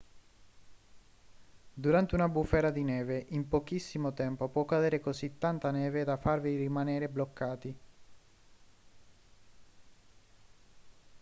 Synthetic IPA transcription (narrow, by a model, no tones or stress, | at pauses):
d̪uɾant̪eunabufːɛːɾad̪inɛːveʔimpok̟isːimot̪ɛmpopwɔkːad̪eːɾekosit̪ːant̪anɛːved̪afarviɾimaneːɾeblokːaːt̪i